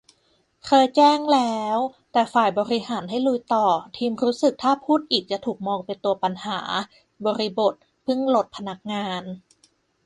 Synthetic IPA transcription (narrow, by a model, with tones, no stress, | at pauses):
kʰɤː˧jt͡ɕɛː˥˩ŋlɛː˦˥wt̪ɛː˨˩faː˨˩jbɔː˧ɾi˧haː˩˦nɦa˥˩jlu˧˥jt̪ɔː˨˩t̪ʰiː˧mɾuː˦˥sɯ˨˩k̚t̪ʰaː˥˩pʰuː˥˩t̪̚ʔiː˨˩k̚t͡ɕa˨˩t̪ʰuː˨˩k̚mɔː˧ŋpe˧nt̪u˧ɐpa˧nhaː˩˦ | bɔː˧ɾi˧bo˨˩t̪̚ | pʰɯ˥˩ŋlo˨˩t̪̚pʰa˧na˦˥k̚ŋaː˧n